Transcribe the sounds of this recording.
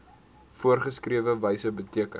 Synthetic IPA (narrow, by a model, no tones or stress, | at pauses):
fuərχəskriəvəvəjsəbətiəkə